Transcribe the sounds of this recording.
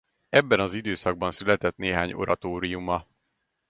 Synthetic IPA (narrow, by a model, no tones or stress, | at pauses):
ɛbːɛnɒzid̪øːsɒɡ̚bɒnsylɛt̪ɛt̪neːɦaːɲo̞̰ɾɒt̪oːɾijumɒ